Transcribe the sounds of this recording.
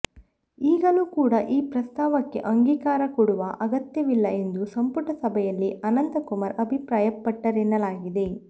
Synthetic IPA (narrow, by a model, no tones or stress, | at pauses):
iːɡɐluːkuːɽɐʔiːpɾɐst̪aːʋɐkːe̞̰ʔɐŋɡiːkaːɾɐkuɽuʋɐʔɐɡɐt̪jɐʋilːɐe̞nd̪usɐmpuʈɐsɐbʱɛjɐlːiʔɐnɐnd̪ɐkumɐɾɐbʱipɾaːjɐpːɐʈːɐɾinːɐlaːɡid̪e̞